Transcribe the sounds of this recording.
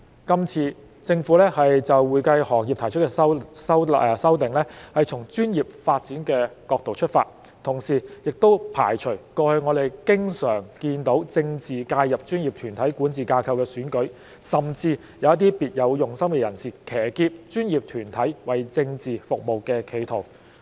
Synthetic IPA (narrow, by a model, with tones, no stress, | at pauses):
kɐ˥mt͡sʰiː˧ | t͡sɪ˧ŋfu˨˥lɛː˥hɐ˨jt͡sɐ˨wwuː˨jkɐ˧jhɔː˨˩ŋjiː˨p̚t̪ʰjt͡ʃʰt̚kɛ˧˥wsɐ˥wsɐ˥wt̪ɪ˨ŋlɛː˥hɐ˨jt͡ʃʰʊ˨˩ŋt͡ʃyː˥njiː˨p̚faː˧t̚t͡siː˨˥nkɛː˧kɔː˧k̚t̪o˨wt͡ʃʰɵ˥t̚fa̰ː˧t̚ | t̪ʰʊ˨˩ŋsiː˨˩jɪ˨k̚t̪o˥wpʰa̰ː˨˩jt͡ʃʰɵ˨˩ɥkɔː˧hŋɔː˨˧t̪e˨jkɪ˥ŋsœː˨˩ŋkiː˧nt̪o˨˥wt͡sɪ˧ŋt͡siː˨kaː˧jːɐ˨p̚t͡ʃyː˥njiː˨p̚t̪ʰyː˨˩nt̪ʰɐ˨˥jkuː˨˥nt͡siː˨kaː˧kʰɐ˧wkɛː˧syː˨˥nkɵ˨˥ɥ | sɐ˨mt͡siː˧ | jɐ˨˧wjɐ˥t̪iː˥piː˨t̚jɐ˨˧wjʊ˨˩ŋsɐ˥mkɛ˧jɐ˨˩nsiː˨˩kʰɛː˨˩kiː˧p̚t͡ʃyː˥njiː˨p̚t̪ʰyː˨˩nt̪ʰɐ˨˥jwɐ˨˩jt͡sɪ˧ŋt͡siː˨fʊ˨k̚mo˨˩wkɛː˧kʰe˨˩jt̪ʰo˨˩w